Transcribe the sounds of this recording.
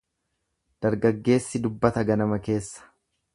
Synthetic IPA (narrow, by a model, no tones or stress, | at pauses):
d̪̥ɐɾɡɐɡːe̞ːsːɪd̪ʊbːɐt̪ɐɡɐnɐmɐke̞ːsːɐ̥